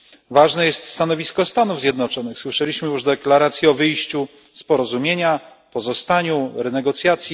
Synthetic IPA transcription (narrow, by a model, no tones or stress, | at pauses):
vaʐnɛjɛst̪st̪anɔvʲiskɔst̪anuvzʲjɛd̪nɔt͡ʂɔnɘxswɘʂɛlʲiɕmɘjuʐd̪ɛklaɾat̪sʲjiɔvɘjɕt͡ɕu | spɔɾɔzumʲjeɲa | pɔzɔst̪aɲuɾɛnɛɡɔt̪sʲjat̪sʲji